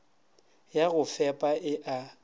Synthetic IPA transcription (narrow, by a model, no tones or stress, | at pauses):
jaɣʊfɛpʼaɪʔa